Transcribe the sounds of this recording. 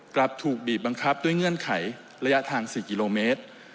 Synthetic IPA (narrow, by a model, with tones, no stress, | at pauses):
kla˨˩p̚t̪ʰuː˨˩k̚biː˨˩t̪̚ba˧ŋkʰa˦˥p̚du˥˩əjŋɤ˥˩ənkʰa˩˦j | ɾa˧ja˦˥t̪ʰaː˧ŋsiː˨˩ki˧loː˧meː˦˥t̪̚